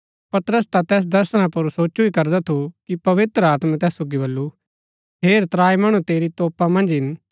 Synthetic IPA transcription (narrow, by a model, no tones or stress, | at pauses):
pɐt̪ɾəst̪at̪ɛːs̬d̪ɐɾsəɽ̃ãpɐɾsoːt͡ʃuikɐɾd̪at̪ʰukipɐʋɪt̪ɾəaːt̪mãt̪ɛːssoːɡibɐlːu | ɦeːɾt̪ɾaːimɐɽ̃ut̪eːɾit̪ɔːpamɐ̃nd͡ʒɦɪn